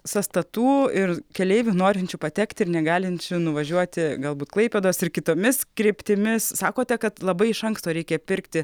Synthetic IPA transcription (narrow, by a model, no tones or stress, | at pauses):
sɐst̪ɐt̪uːɪɾkʲɛlʲɛɪʋʲunoːɾʲɪnʲt͡ʃʲupɐt̪ʲɛkt̪ʲɪɪrnʲɛɡɑːlʲɪnʲt͡ʃʲʊnʊʋɐʒʲuɔt̪ʲɪɡɐlˠbuːt̪klˠɐɪpʲeːd̪oːsɪrkʲɪt̪oːmʲɪskɾʲeːpʲt̪ʲɪmʲɪsssɑːkoːt̪ʲɛkɐt̪lˠɐbɐɪɪʃɐŋkst̪oːɾʲɛɪkʲɛpʲɪɾkt̪ʲɪ